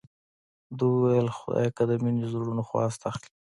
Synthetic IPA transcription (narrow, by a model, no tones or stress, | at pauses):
d̪uwajlxʊd̪a̰jkad̪əminizuɾɾunoxwɑ̰ːst̪axli̥